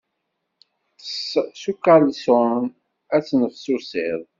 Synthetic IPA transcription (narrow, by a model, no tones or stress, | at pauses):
ssukːalson | æt͡sːnəfsusɪðˤ